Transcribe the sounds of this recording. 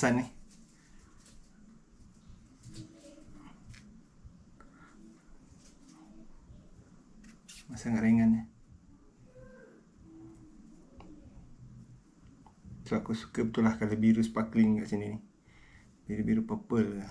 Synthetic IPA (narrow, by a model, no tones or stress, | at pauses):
sanih | masanɡaʔɾeŋanːi | səlakusu̥kəp̚t̪ulahkaləbiɾuspakliŋkaʔsininih | biləbiɾuʔpəpəl